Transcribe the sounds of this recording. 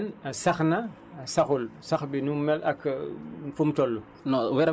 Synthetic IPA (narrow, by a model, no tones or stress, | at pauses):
nsaxnɐ | saxulsaxbinumɛlʔɐk | fumtɔlːu | nɔwɛɾ